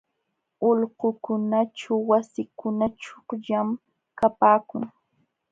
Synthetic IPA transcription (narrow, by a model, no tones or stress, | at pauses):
oʎɢʊkʊnaʈ͡ʂawwasɪkʊnaʈ͡ʂoχʎam | kapaːkʊ̰ŋ